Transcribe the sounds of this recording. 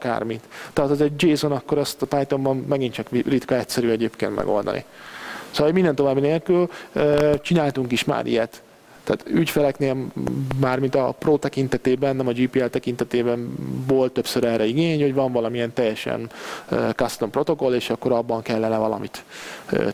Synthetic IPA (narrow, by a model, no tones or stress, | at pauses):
ɒka̰rmit̪ːɛat̪ɒzɛɟd͡ʒeːzonɒkːo̞ɾɛst̪ɒpajt̪o̞mbɒnːɛɡint͡ʃɒkrit̪kɒɛtsɛɾyɛɟeːpkeːnt̪mɛ̰ɡo̞̰ld̪ɒ̰nḭsoːlːmind̪ɛnt̪o̞vaːbːineːlkyløːt͡ʃinaːlt̪uŋkiʃma̰ːɾʔḭjɛt̪ː | a̰ːt̪ycfɛlɛkneːlmaːrmint̪ɒproːt̪ɛkint̪ɛt̪eːbɛnːɛmɒd͡ʒiːpiːɛlt̪ɛkint̪ɛt̪eːbɛnvo̞ːlt̪ːø̞psøɾɛːrɾɛiɡeːɲho̞ɟvɒɱvɒlɒmiɛnt̪ɛjːɛʃɛ̰nø̰ːkɒst̪ompro̞t̪o̞ko̞leːʃɒkːo̞ɾɒbːɒŋkɛlːɛnɛvɒlɒ̰mit̪ø̰ː